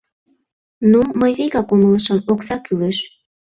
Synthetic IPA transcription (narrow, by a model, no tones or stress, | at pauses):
numəjβeɣɑkumələʃəmoksɑkyleʃ